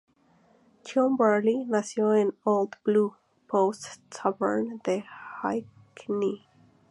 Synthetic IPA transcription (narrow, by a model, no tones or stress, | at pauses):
t͡ʃʰũmbə˞linasjoɛ̃noʊlˠd̪b̥lu | pʰoʊstsʌbə̰˞nðəhaɪ | kʰni